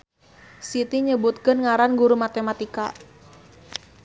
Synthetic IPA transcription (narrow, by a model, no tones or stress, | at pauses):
sit̪iɲəbut̪kənŋaɾanɡuɾumat̪emat̪ika